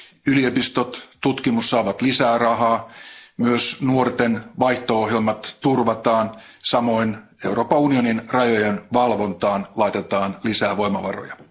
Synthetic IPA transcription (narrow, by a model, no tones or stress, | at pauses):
yliopist̪ot̪t̪ːut̪kimusːɑːʋɑt̪lisæːrɑɦɑːmyøsnuort̪enʋɑjht̪ooɦjelmɑt̪tːurʋɑt̪ɑːn | sɑmo̞in | e̞uro̞ːpɑunio̞ninrɑjojenʋɑlʋo̞nt̪ɑːnlɑit̪et̪ɑːnlisæːʋo̞imɑʋɑ̰ro̰jɑ